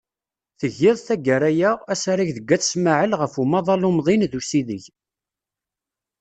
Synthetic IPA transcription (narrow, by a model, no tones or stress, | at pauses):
θəʝːɪðˤθæɡæɾæjææsaɾaçðəɡːæθsmaʕəlʁəfumɑðˤɑlumðˤinðusiðəʝ